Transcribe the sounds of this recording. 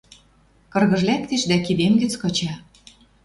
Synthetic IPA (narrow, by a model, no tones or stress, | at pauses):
kɤ̆rɣɤ̆ʒlæk̚t̪eʃd̪ækid̪emɡɘ̆t͡skɤ̆t͡ɕɑ